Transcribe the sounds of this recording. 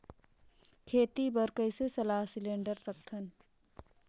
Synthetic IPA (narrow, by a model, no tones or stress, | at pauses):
kʰeːt̪ibəɾkəɪsesɐlaːɦsɪlẽːɳɖəɾsɐk̚t̪ʰən